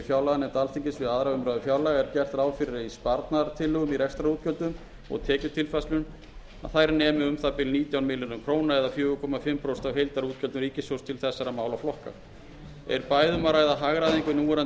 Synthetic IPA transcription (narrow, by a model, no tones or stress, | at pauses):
fjaːwlaɣanɛmt̪alθiɲcɪsvɪðaðɾawʏmɾaːðʏfjaːwlaɣaɛɾ̥cɛr̥t̪ɾaːwfɪɾɪɾaispaɾt̪naɾt̪ʰɪlːʏɣʏmiɾɛst̪ɾaɾuːt̪cœlt̪ʏm | ɔ̰ɣt̪ʰɛːcʏt̪ʰɪlfaslʏn | a̰ðθajɾanɛːmɪʏmθapɪlniːt̪jawnmɪlɪnʏmkʰɾoːwnaɛðafjʏːɣʏkʰɔːmafɪmːpʰɾowst̪awɦejlt̪aɾuːt̪̚cʰœlt̪ʏmɾiːcɪsowst̪ʰɪlθɛsːaɾamaːwlawflɔhka̰ | ɛ̰ɾpaːjðʏmaɾaːjðaɦaɣɾaðiŋkʏnuːɾa